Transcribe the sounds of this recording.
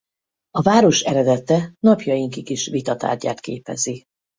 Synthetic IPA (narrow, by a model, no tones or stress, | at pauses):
ɒvaːɾo̞ʃɛɾɛd̪ɛt̪ɛnɒpjɒjiŋkikiʃʋit̪ɒt̪a̰ːrɟa̰ːt̪kḛːpɛ̰zi